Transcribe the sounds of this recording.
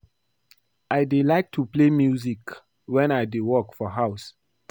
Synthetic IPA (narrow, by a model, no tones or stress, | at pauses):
ʔaɪdelaɪk̚tʰuplemjuzik | wɛ̃naɪdewɔkfɔɦaʊs